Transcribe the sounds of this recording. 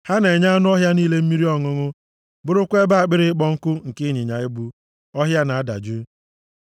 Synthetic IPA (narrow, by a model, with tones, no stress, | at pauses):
ha˦ne˨ɲa˦a˦nʊ˦ɔ˦ɦja˦niː˦le˦m̩˦mi˦ɾi˦ɔ˦ŋʊ˦ŋʊ˦ | bʊ˦ɾʊ˦kʷe˦ba˦a˨k͡pɪ˦ɾɪ˦k͡pɔ˦ŋ̩˦kʊ˦ŋ̩˨kɪ˦ɲɪ˨ɲa˨ɪ˦bu˦ | ɔ˦ɦja˦na˨a˦da̰˨d͡ʒʊ˦